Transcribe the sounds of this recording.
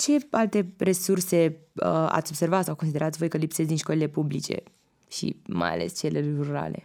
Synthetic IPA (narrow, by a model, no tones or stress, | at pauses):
t͡ʃe̞alt̪e̞re̞surse̞əa̰t̪sʲo̞bse̞rvat̪sawkons̬id̪eɾat̪sʲvo̞jkəlipset̪d̪inʃko̞lile̞publit͡ʃe̞̰ | ʃḭma̰ja̰le̞̰st͡ʃe̞leɾuɾa̰le̞̰